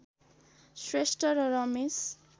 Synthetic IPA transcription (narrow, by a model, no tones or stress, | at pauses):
swesʈʌɾɾʌmis